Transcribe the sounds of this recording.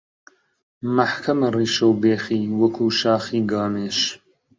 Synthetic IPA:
mɐħkʰɐmɐriːʃɐwbeːxiːwɐkʰuːʃaːxiːɡaːmeːʃ

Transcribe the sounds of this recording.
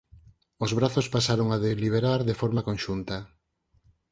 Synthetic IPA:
ozβɾaθospasaɾoŋaðeliβ̞eɾaɾðefɔɾmakonʃunt̪a

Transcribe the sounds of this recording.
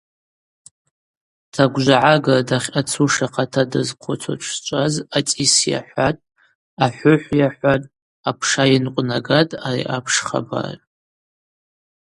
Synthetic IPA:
tʰaɡʷʒʷaʕaɡadaχʲat͡sʰuʂaqʰatʰadɨzqʷʰʊt͡sʷʰa̰t͡ʃʷʰt͡ʃʷʼazat͡sʼisja̰ħʷatʼ | aħʷʊħʷjaħʷatʼ | apʰʂajinqʷʼnaɡatʼarḭʔapʰʂχa̰ba̰r̰ʼ

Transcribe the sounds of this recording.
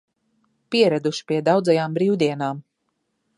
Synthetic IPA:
piɛɾæd̪uʃi̥pʲiɛd̪awd̪zajaːmbɾiːwd̪iɛnaːm

